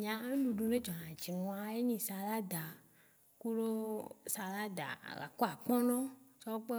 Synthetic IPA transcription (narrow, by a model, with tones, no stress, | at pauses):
ɲ̃˨ã˨˦ŋ̃˦ɖu˨ɖu˨ne˦d͡ʒɔ˨nã˨d͡ʒi˨nũ˨a˨je˦ɲĩ˨sa˨la˦d̪a˨ | ku˦ɖo˦sa˨la˦d̪a̰˨la̰˨ko˦a˨k͡pɔ̃˦nɔ̃˦t͡ʃɔ˦k͡pe˦